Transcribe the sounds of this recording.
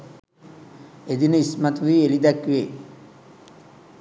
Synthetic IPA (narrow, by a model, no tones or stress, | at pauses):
ed̪inəismat̪uʋiːelid̪ækʋe